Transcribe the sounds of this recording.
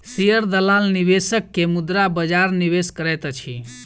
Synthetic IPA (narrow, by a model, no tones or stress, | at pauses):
siəɾd̪əlalnibesəkːemud̪ɾabəd͡ʒaɾniβeskəɾɛt̪t͡ʃʰi